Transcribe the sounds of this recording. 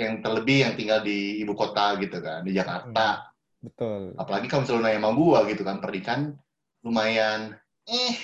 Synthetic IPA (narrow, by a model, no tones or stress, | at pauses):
jaŋt̪ərləbɪhjaŋt̪iŋɡaldiːbukot̪aɡit̪uka̰ndid͡ʒaka̰rt̪a | bət̪ʊlapalaɡikamuŋsəlunajanmaŋɡuaɡit̪ukanpərnikan | rumajan | ɛh